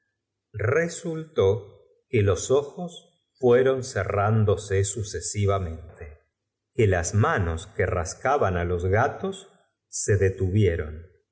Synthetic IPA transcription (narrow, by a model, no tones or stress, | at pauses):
result̪o | kelo̞so̞xos | fweɾo̞nserand̪o̞sesusesiβamẽ̞nt̪e | kelazmano̞skera̰skaβanalo̞zɣat̪o̞sː | e̞ðet̪uβje̞ɾo̞n